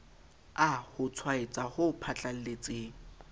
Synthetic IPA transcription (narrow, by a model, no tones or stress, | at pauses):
ahʊt͡sʰwaet͡sʼahʊpʰat͡ɬʼal̩let͡sʼeːŋ̩